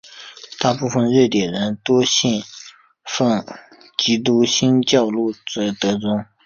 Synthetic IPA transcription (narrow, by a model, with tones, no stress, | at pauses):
t̪a˥˧pu˥˧fə˥˧nɻə˥˩t̪jɛ˨˩nɻə˧˥nt̪wɔ˥ɕɛ˥˩n | fə˥˩ŋ | t͡ɕi˧˥t̪̬u˥ɕi˥nt͡ɕjɑ˥˧ʊlu˥˩t͡sə˧˥t̪ɤ˧˥t͡sʊ˥ŋ